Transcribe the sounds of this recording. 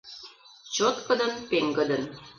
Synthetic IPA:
t͡ɕot̪kə̆d̪ɤ̆npeŋɡɤ̆d̪ə̆n

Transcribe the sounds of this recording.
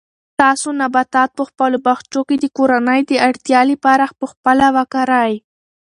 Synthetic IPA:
t̪ɑsonabat̪ɑt̪̚pəxpəlobaxt͡ʃoked̪əkoɾanəjd̪əaɽt̪jɑlipaɾaxpəxpəlawakaɾaj

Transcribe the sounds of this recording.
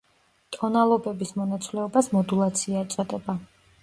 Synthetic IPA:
t̪ʼɔnalˠɔbɛbismɔnat̪sʼlɛɔbasmɔd̪ulˠat̪sʰiat̪sʼɔd̪ɛba

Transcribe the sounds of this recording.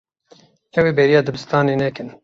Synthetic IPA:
ɛweːbɛɾijɑːd̪ɨbɨst̪ɑːnenɛkɨn

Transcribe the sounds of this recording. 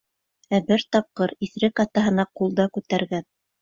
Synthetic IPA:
æbɘɾt̪ɑp̚qɤɾiθɾɘkɑt̪ɑɦɤ̆nɑqulˠd̪ɑkʉt̪æɾɡæ

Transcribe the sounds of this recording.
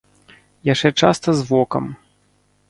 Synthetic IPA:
jat͡ʂɛt͡ʂa̰st̪ɐzvɔkɐ̰m

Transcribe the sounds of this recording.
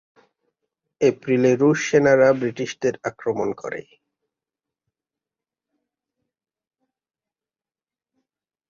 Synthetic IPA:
epɾileɾuʃːenaɾabɾiʈiʃd̪eɾakɾomonkɔ̰ɾḛ

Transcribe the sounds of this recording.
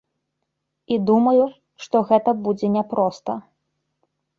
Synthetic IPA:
id̪umɐju | ʂt̪ɔɣɛt̪ɐbud͡zʲɛnʲɛpɾɔst̪ɐ

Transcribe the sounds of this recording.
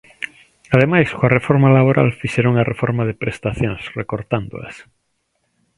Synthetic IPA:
aðemajskoarefoɾmalaβoɾa̰lfiʃeɾoŋarefoɾmaðepɾest̪aθjõŋsrekoɾt̪and̪o̰a̰s

